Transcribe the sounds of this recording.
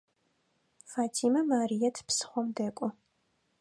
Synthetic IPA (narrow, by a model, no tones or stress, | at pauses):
faːtʰimɐmaːɾijɐtʰpsχʷɔmdɛːkʷʼɔ